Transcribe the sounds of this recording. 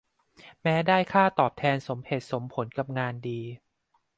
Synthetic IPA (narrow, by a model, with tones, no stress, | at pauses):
mɛː˦˥daː˥˩jkʰaː˥˩t̪ɔː˨˩p̚t̪ʰɛː˧nso˩˦mhe˨˩t̪̚so˩˦mpʰo˩˦nka˨˩p̚ŋaː˧ndiː˧